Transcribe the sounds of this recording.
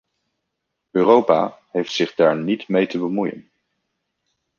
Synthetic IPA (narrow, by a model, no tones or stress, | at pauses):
øːrowpa̰ːɦejftsɪχdaːɹnitmejtəbəmujə̰n